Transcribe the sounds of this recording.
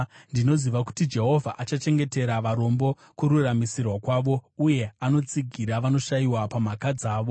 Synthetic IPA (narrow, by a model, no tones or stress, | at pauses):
ndino̞ziʋaku̥tid͡ʒe̞ɦo̞vʱaʔat͡ʃat͡ʃe̞ŋɡe̞te̞ɾaʋaɾo̞mbo̞ | kuɾuramisirwakwaːʋo̞uje̞ano̞t͡siɡʱiɾaʋano̞ʃaiwapamakad͡zaːʋo̞